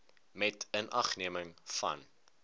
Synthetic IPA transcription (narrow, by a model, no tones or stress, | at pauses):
mɛtənʔɐχniəməŋfɐ̰n